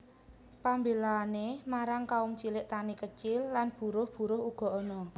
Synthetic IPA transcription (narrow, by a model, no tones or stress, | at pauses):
pambelaːnemaɾaŋkaumt͡ʃilɪʔt̪anikət͡ʃɪlːanb̥ṳɾʊhb̥ṳɾʊhuɡ̥ɔ̤ɔnɔ